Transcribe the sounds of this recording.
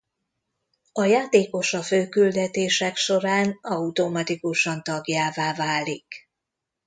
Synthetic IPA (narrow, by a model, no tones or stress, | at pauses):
ɒjaːt̪eːko̞ʃɒføːkyld̪ɛt̪eːʃɛkʃo̞ɾaːnɒut̪o̞mɒt̪ikuʃɒnt̪ɒɡjaːvaːvaːlik